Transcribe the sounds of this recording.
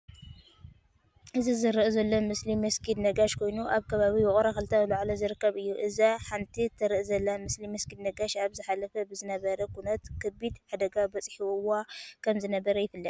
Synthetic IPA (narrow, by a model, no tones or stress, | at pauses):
ʔɨzizɨɾɨʔzɐlːomɨslimɐskʰid̪nɐɡaʃkʰo̞jnuʔaβkʰɐβaβiwʊχʼɾaxɨlt̪ʰawɨlaʕlɐzɨɾɨkːɐβɨjːuʔɨzaħant̪ʰit̪ʰːɐɾɨʔzɐlːamɨslimɐskid̪nɐɡaʃaβzɨħalɐfɐbɨzɨnɐβɐɾɐkʰunɐt̪kʰɨbid̪ħad̪ɐɡabɐt͡sʼħiwwakʰɐmzɨnɐβɐɾɐjɪfɨlːɐt̪